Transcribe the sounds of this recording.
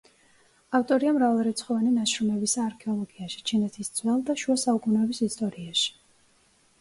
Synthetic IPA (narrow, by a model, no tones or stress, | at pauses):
aft̪ʼɔɾiamɾavalˠɾɛt̪sʰχɔvaninaʃɾumɛbisaːɾkʰɛɔlˠɔɡiaʃi̥t͡ʃʰinɛt̪ʰisd̪zʼwɛlˠd̪aʃuasaukʼunɛːbisist̪ʼɔɾiaʃi̥